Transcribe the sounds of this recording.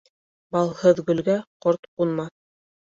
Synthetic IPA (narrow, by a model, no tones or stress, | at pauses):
bɑlˠhɤðɡɵ̆lɡæqoɾt̪qunmɑθ